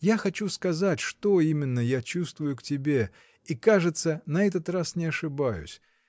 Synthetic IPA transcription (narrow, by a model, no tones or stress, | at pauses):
jaxɐt͡ɕuskɐzatʲʂt̪oimʲɪnːəjat͡ɕust̪vʊjʊktʲɪbʲe̞ | ikaʐɨt̪sənɐɛt̪̬ət̪rasnʲɪɐʂɨbajʊ̰sʲ